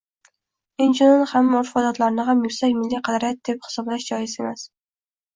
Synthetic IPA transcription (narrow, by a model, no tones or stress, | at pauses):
end͡ʒɪnonhamːoɾfɒd̪ɒt̪laɾnɪɦamjʊɾsakʲmɪlːiqʰɑd̪aɾjat̪̚d̪̥ephɪ̥sɒblaʃd͡ʒɒjɪse̞mas